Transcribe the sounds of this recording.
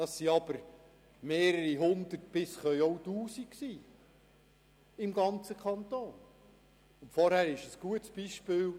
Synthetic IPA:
d̥ɑsːiɑb̥əɾ | meːɾəɾiɦʊnd̪̥ət̚b̥ɪsχœʏjɔwtuːsiksiː | ɪmɡɑnt͡səkʰχɑnt̪oːn | ʊntfɔɾhæːɾɪʃəsɡ̥uətsb̥iʃpɪːl

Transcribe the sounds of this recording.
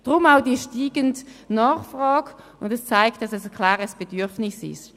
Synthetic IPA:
d̥ʁʊmaʊdiəʃtiːɡəndnɑːχfrɑːɡ | ʊndɛst͡saɪk̚tːɑsɛskʰlaːʁəsb̥edyɐfnɪsɪ̰ʃ

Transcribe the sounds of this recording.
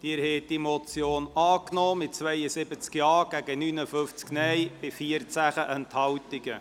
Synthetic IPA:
d̪̥iːɾhɛːt̚d̥imɔt͡sjoːnɑːknɔːmɪtt͡sʋɛɪəsɪbət͡skjɑːɡ̥æɡənyːnəfʏft͡sknɛjb̥ɪfiəɾt͡sæχəʔɛnt̪hɑwtɪɡə

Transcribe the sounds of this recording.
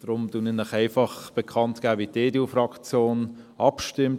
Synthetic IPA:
d̥ɾʊmduninɪχæɪfɑχb̥ɛkʰɑntɡ̥æːviːteːdufɾɑkt͡sjoːn | ɑpʃtɪmt

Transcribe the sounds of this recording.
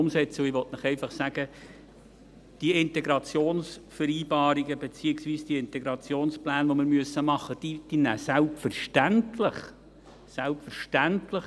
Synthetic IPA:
ʊmsɛt͡səɪʋɔt̪nɪχɛɪfɑχsæɡ̥ə | d̥iəɪnt̪ɛɡɾɑt͡sjoːnsfəɾiːbɑːɾiɡəbet͡siːɪksʋiːsd̥iəɪnt̪ɛɡɾɑt͡sjoːnsplæːnʋomɪɾmyəsəmɑχːəd̥id̥inæsælpfərʃtæntlɪχ | sælpfəɾʃtæntlɪχ

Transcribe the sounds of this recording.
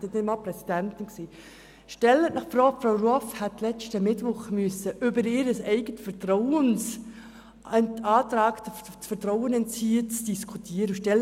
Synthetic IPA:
dɛtɛnmɑlpɾɛsid̥æntɪnkseː | ʃtɛlənɑχfrɔːɡ̥fɾaʊɾɔfhɛtlɛt͡ʃtəmɪtʋʊχmyʏəsəʔʏbəɾɪɾəsɛɪɡətfəɾtɾɔʊəns | ɑːtɾɑːkt | fətɾɔwənɛnt͡siːət͡sd̥iskʰutʰiəɾəʃtɛl

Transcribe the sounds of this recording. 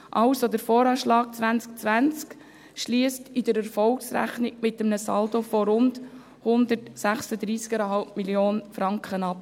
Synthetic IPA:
ʔɑʊsod̪əɾfoːɾɑːʃlɑːk̚t͡sʋænt͡sk̚t͡sʋænt͡sk | ʃliəstidəɾɛɾfɔlksræ̰χniɡ̚mɪtːəmnəsɑ̰ldofoɾʊnd | hʊnd̪əɾtsæχsəd̪ɾiːskɛɾɦɑlpmiljoːnfɾɑŋkχənɑp̚

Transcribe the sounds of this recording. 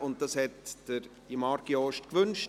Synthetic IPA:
ʊnt̚d̥ɑshɛtd̥əɾ | imɑɾɡiɔːʃtkʋʏnʃ

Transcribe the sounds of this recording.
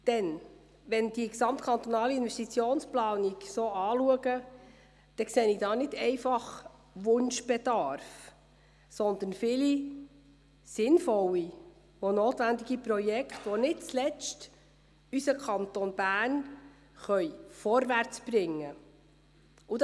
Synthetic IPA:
d̪̥ɛn | ʋɛnd̥iəksɑmt̪kʰɑnt̪ɔnɑːliɪnʋɛstit͡sjoːnsplɑːniksoːɑːluəɡə | d̪̥ɛkseːnɪd̥ɑːnɪdɛɪfɑχ | ʋʊnʃb̥ɛd̥̪ɑɾf | sɔnd̪ən̩fɪli | sɪnfɔlːi | onoːt̪ʋænd̪iɡ̥ipɾɔjɛkʰtʋɔnɪt̚t͡slɛt͡ʃt | ysəkʰɑnt̪ɔnb̥æːn | χœjfɔɾʋæɾt͡sb̥rɪŋːə | u

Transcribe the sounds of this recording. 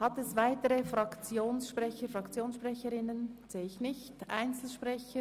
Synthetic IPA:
hɑtɛsvaɪtəɾəfʁɑkt͡sjoːnsʃpʁɛçəfʁɑkt͡sjoːnsʃpʁɛçəɾɪnənz̥eːɪçnɪçtʔa̰ɪnt͡sl̩ʃpʁɛçə

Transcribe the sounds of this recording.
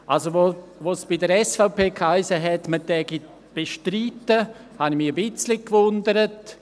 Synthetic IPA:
ʔalsoʋoʋosb̥ɪdəɾɛsfaʊpeːkhaɪsəɦɛtmətɛɡit | b̥eʃtɾiːtːə | hɑnimiəbɪt͡slikʋʊndəɾət

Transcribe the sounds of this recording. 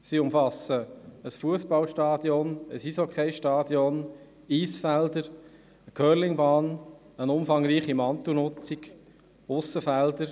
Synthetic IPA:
siʊmfɑsəəsfuəspɑlʃtɑːd̥jɔnəsisokʰeɪʃtɑːd̥jɔn | iːsfældəɾ | əkʰœːɾlɪŋbɑːn | ənʊmfɑŋɾiːχimɑnt̪unʊt͡sik | ʊsːəfæld̥əɾ

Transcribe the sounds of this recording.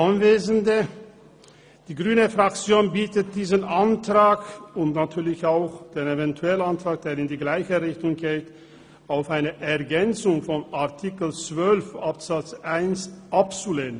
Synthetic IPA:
ʔanveːzən̩də | d̥iːɡʁyːnəfʁak̚t͡sjoːnbiːtət̚d̥iːzənʔantʁ̥aːkʊntnatʰyːɐlɪçaʊxd̥eːnevɛntʰuɛlənantʁ̥aːk̚d̥eːʁɪndiːɡlaɪçəʁɪçtʊŋɡeːt | aʊfaɪnəʔɛɐɡɛnt͡sʊŋfɔnaɐtʰikl̩t͡sv̥œlfʔapz̥at͡sʔaɪnsʔap̚t͡suleːnə

